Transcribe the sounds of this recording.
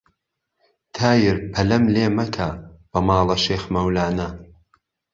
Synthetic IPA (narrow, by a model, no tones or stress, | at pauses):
t̪ʰaːjɪɾpʰɐlɐmleːmɐkʰab̥ɐmaːlˠɐʃeːxmɐwlaːnɐ